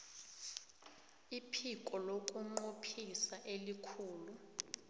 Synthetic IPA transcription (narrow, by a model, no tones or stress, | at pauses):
ipʰikʼɔlokʼuŋ͡ǃopʰisaʔelikʰuːlu